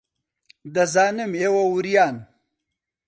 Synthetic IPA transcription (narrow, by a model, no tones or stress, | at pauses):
d̪ɐzaːnɨmeːwɐwuɾijaːn